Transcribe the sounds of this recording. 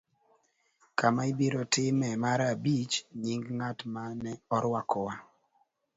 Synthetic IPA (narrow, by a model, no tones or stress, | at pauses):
kamaibiɾɔtɪmɛmaɾabit͡ʃɲiŋɡŋatmanɛɔɾwakʰɔwa